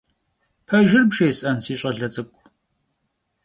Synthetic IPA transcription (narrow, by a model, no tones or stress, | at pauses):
pʰɐʒɪrbʂeːsʼɐnsiːɕʷʼɐɮɐt͡sʼɐkʷʼ